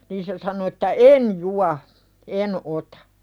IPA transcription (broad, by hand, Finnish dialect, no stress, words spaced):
niːn se sɑno etːæ en juɑ en otɑ̥